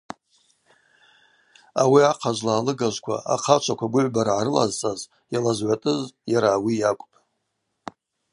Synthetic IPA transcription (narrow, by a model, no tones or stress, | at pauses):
awiaqʰazʷlaːlɨɡaʒʷkʷʰa̰a̰qʰat͡ʃʷʰakʷʰaɡʷʊʕʷbaɾʕaɾɨla̰zt͡sʼaz | jalazʕʷatʼɨzjaɾaːwijakʷʼpʼ